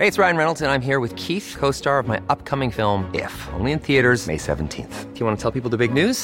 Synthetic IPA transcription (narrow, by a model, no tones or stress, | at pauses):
heɪɨtsɹaɪɨ̃nɹɛnl̩ˠtɨ̃nãɪ̃mɦiɹwɨð̥kʰiθkʰoʊstɑɹʌvmaɪʔʌp̚kʰʌmɪ̃ŋfɪlˠmɪ̰fõ̰ʊ̃nliɨ̃nθiɨɾə˞zmḛɪsɛ̰ṽn̩tʰḭ̃nθfjɨwɑ̃nətʰɛlˠpipl̩ˠðəbɪɡ̚nʉz̥